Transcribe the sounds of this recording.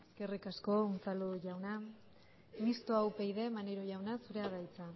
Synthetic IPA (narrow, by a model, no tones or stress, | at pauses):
eske̞rikasko̞unt͡saluʝawna | mist̪oawpejðe̞maneɾo̞ʝawnasuɾe̞aðajt͡sa